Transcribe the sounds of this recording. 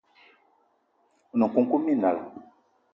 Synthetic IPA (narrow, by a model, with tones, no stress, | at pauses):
u˨na˨ŋ˨ku˦ŋ˦ku˦mi˦˨na˨la̰˨